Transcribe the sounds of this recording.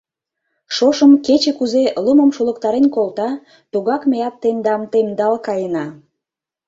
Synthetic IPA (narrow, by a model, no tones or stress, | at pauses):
ʃoʃəmket͡ɕekuzeluməmʃulək̚t̪ɑɾenkolt̪ɑ | t̪uɣɑkmejɑt̪ːemd̪ɑmt̪emd̪ɑlkɑjənɑ